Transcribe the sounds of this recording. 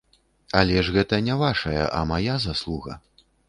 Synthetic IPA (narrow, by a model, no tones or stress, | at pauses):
ɐlʲɛʐɣɛt̪ɐnʲɛvaʂɐjɐ̰ʔɐ̰majazaslˠuɣɐ̰